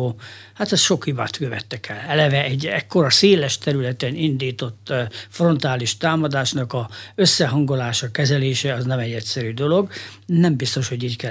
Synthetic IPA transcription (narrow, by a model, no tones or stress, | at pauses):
hat̪ɛsʃo̞khiba̰ːt̪køvɛt̪ːɛkʰɛlɛlɛvɛɛɟɛkːo̞ɾɒseːlɛʃt̪ɛɾylɛt̪ɛnind̪iːt̪o̞t̪ːfro̞nt̪aːliʃt̪aːmɒd̪aːʃnɒkɒøsːɛɦɒŋɡo̞laːʃɒkɛzɛleːʃɛɒznɛmɛɟːɛcʲsɛɾyːd̪o̞lo̞ɡ | nɛmbist̪o̞ʃho̞ɟiːckɛ